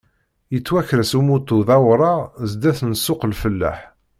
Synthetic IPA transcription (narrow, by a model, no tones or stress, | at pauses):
jət͡sːwæçɾəsumut̪ːʊðɑwɾˤɑzd̪æθnsːʊqlfəlːæ̰ħ